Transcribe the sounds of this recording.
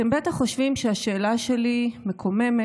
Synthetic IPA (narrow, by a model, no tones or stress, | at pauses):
embet̪aχːo̞ʃvimʃeaʃe̞ːlaʃe̞limekʰo̞meme